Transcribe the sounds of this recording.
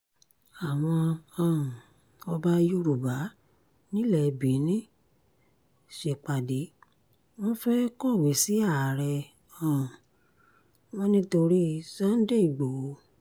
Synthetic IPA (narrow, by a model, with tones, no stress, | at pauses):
a˨w̃ɔ̃˧ã˨ | ɔ˧ba˧ju˦ɾu˨ba˨˦ | nĩ˦lɛ˦˨˧bi˨˦nĩ˦ | ʃe˨˧˨k͡pa˨de˨˦ | w̃ɔ̃˦fɛ˦kɔ˦˨we˨˦si˨˦a˦˨ɾɛ˧ | ã˨ | w̃ɔ̃˦nĩ˦to˧ɾi˦sã˦n̩˦de˦i˨ɡ͡bo˨˦